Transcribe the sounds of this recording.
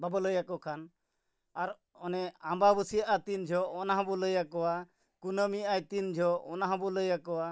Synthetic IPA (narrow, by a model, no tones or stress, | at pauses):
babɔləjakɔkʰan | aɾ | ɔnɛambabusijaʔat̪ind͡ʒʱɔɔnaɦãbɔləjakɔwa | kunəmiʔajt̪ind͡ʒʱɔɔnaɦãbɔləjakɔwa